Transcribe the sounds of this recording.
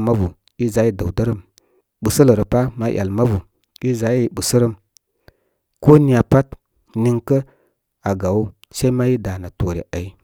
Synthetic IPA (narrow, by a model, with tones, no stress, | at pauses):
ma˦vu˨ | i˦za˨˦ji˦də˨wdə˦ɾə˦m | ɓu˨sə˦lə˨ɾə˨pa˦ma˦jʔa̰˨lma˦vu˨ | i˦za˨˦ji˦˨ɓu˨sə˦ɾə˦m | ko˦ni˦a˨pa˦t | ni˦ŋkə˦ | a˨ɡa˨wu˦ | se˦i˦ma˦ji˦da˨na˨to˨ɾḭ˨a˨i˦